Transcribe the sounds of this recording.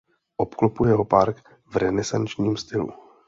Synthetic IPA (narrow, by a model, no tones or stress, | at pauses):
ʔopklopujɛɦopaɾk | vɾɛnɛsant͡ʃɲiːmst̪ɪlṵ